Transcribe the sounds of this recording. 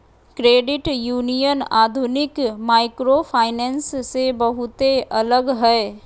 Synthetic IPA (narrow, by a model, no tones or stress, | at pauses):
kɾeːɖɪʈjuːnijənaːd̪ʱʊnɪkmaːɪkɾopʰaːɪnɛ̃ːnsːebəɦʊt̪eʔɐləɡɦɛː